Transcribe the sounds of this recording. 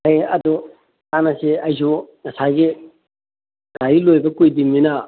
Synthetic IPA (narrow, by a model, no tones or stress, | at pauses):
hejɐdu | tanɐsiɐjs̬uŋɐsaɡi | ɡajilojbɐkujdimːinɐ